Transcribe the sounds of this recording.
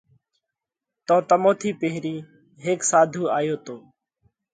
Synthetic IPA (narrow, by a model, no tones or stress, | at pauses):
t̪õːt̪əmoːt̪ʰiːpeɦɾiː | ɦeːksaːd̪ʱuːaːjoːt̪oː